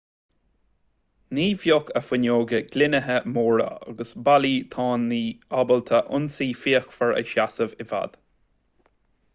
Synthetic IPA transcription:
niːvjokʰəfɪnʲoːɡəɡ̥lɪnəɦəmoːɹə̰a̰ɡəsbaliːt̪ʰɑːnːiːabəlt̪ʰəʔʊnsiːfiːəxfəɹə̰ʃasəvɪva̰d̪̥

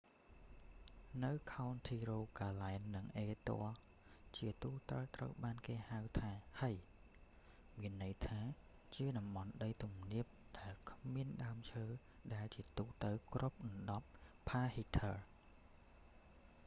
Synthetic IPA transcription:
nɨwkʰaɔnt̪ʰiːroːkaːlaɛnːɨŋʔeːt̪o̰ə | t͡ɕiət̪uːt̪rəwt̪rə̰wɓaːnkeːhawt̪ʰaːhaj | miənːɨjt̪ʰaː | t͡ɕiəɗɑmɓɑnɗəjt̪umniəp̚ɗaɛlkʰmiənɗaəmt͡ɕʰəː | ɗaɛlt͡ɕiət̪uːt̪ɨwkrʔup̚nɨnɗɑp̚pʰːaːhit̪ʰəl

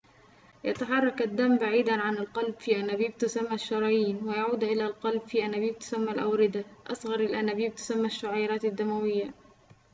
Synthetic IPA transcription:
jat̪aħɑrˤːɑkad̪ːamːbaʕiːd̪anʕanalqɑlbfiːʔanabiːb̚t̪ʊsamːaʃːɑɾˤɑːjiːnwɪjaʕuːd̪ʔɪlalqɑlbfiːʔanaːbiːb̚t̪ʊ̥samːalʔawɾɪd̪aʔɑsˤɣɑɾˤalʔanabiːb̚t̪ʊ̥samːaʃːʊʕajɾˤɑːt̪ad̪ːamawɪjːa

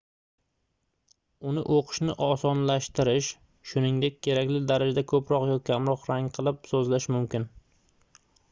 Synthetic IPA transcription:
ʊnɪ̰ʔoqʰɨ̥ʃnɪ̰ʔɒsɒnlaʃt̪ɪɾɪʃ | ʃʊnɪŋd̪e̞k̚ʲkʰʲːe̞ɾakʲlɪd̪aɾad͡ʒad̪akʰɵpɾɒqjɒkʲʰamɾɒqɾaŋqʰɨlˠɪpsɵzlaʃmʊmkʲɪn

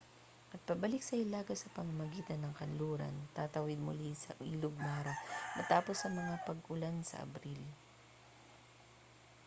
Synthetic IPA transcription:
ʔɐt̪̚pɐbɐlɪk̚sɐʔɪlaːɡɐsɐpɐmɐmɐɡiːt̪ɐnːɐŋkɐnluːɾɐ̰nt̪at̪ɐwɪd̪̚mʊlisɐ̰ʔiːlʊɡ̚maːɾɐmɐt̪aːposːɐmɐŋapɐɡʔʊlansɐ̰ʔɐ̰bɾil

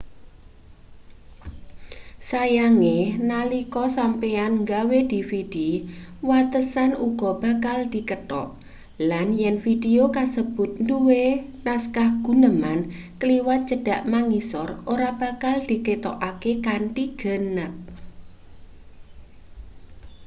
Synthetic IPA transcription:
sajaŋenalikɔsampeanŋɡawed̪̥ifid̥iwat̪əsanuɡ̥ɔ̤b̥a̤kald̪̥i̤kəʈɔ̰ʔ | lanjɛnfideokasəb̥ʊt̪̚nduwenaskahɡ̥ṳnəmankəliwat̪̚dd͡ʒ̥ə̤ɖ̥a̤ʔmaŋisɔrʔoɾab̥a̤kald̪̥i̤ket̪oʔakekanʈiɡ̥ə̤nəp̚

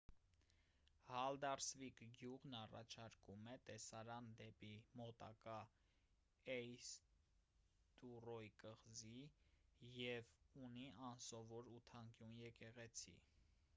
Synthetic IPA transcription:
hɑld̪ɑrsvikɡjuʁnɑrɑ̰t͡ʃʰɑɾkumɛt̪ɛsɑɾɑnd̪ɛpimɔt̪ɑ̰kɑ | ɛjs | t̪urɔjkəʁzi | jɛvuniɑnsɔvɔɾut̪ʰɑŋkjunjɛkɛʁɛt͡sʰḭ

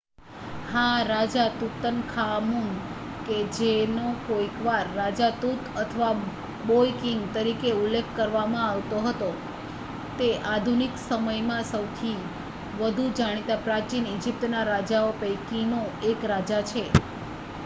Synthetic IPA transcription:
hãɾad͡ʒat̪ut̪ənkʰamum | ked͡ʒenokoikʋaɾːad͡ʒat̪ut̪ət̪ʰəʋa | bojkiŋɡt̪əɾikeulːekʰːəɾʋamãaʋt̪oɦət̪o | t̪eʔad̪ʱuniksəməjmãsəwt̪ʰi | ʋəd̪ʱud͡ʒaɽ̃it̪apɾat͡ʃinid͡ʒip̚t̪naɾad͡ʒaopəjkinoekɾad͡ʒat͡ʃʰe

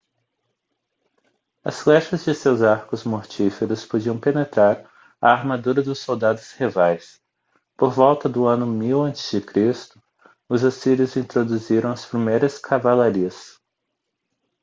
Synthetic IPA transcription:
ɐ̰sflɛʃɐzd͡ʒɪsewzaɾkʊzmoɾt͡ʃifeɾʊspod͡ʒiɐ̃w̃penet̪ɾaɾ | aːɾmad̪uɾɐd̪ʊsːowd̪ad̪ʊshivajs | poɾvɔwt̪ɐd̪ʊɐ̃nʊmiwɐ̃nt͡ʃɪ̥zd͡ʒɪkɾist̪ʊ | ʊzasiɾjʊzĩnt̪ɾod̪uziɾɐ̃w̃ɐspɾimejɾɐskʰavalaɾiɐs

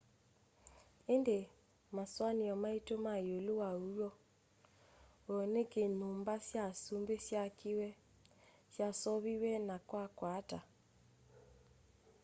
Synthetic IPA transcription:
ende | maswaniɔmaitomajolowaujɔ | wɔnekenumbasjasumbesjakiwɛ | sjasɔβiwɛnakwakwata

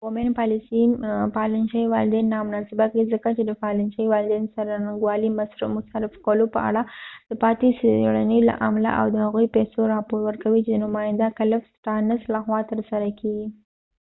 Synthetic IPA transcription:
ɣomenpɑlɪsinpɑlɪnʃajwɑlɪd̪enːamʊnɑsɪbakaizəkat͡ʃed̪əfɑlɪnʃajwɑlɪd̪ensaɾanɡwɑlimasɾmʊsaɾɪfkəlopəa̰ɽad̪̥əpɑt̪isɽanəjla̰ʔamala̰ʔa̰wd̪əhaɣujpɛsoɾɑpoɾwəɾkawit͡ʃed̪ənʊmɑjɪnd̪akaləfsʈɑnəslaxwɑt̪əɾsaɾakʰeɡi

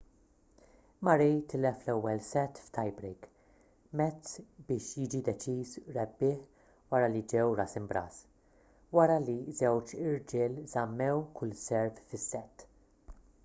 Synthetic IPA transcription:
mɐɾɛjt̪ʰɪlɛflɛwːɛlsɛt̪ːft̪ɐjbɾejk | mɛtt͡sbɪːʃjɪːd͡ʒid̪ɛt͡ʃiːzɾɛbːɪːħ | wɐɾɐlid͡ʒɛwɾɐsɪmbɾɐ̰ːs | wɐɾɐlizɛwt͡ʃɪɾd͡ʒɪːlzɐmːɛwkʰʊlsɛɾffɪsːɛt̪ː

